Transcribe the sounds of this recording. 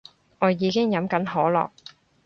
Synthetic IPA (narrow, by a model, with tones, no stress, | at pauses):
ŋɔː˨˧jiː˨˧˥kɪ˥ŋjɐ˨˥mkɐ˨˥nɦɔː˨˥lɔ̰ː˨k̚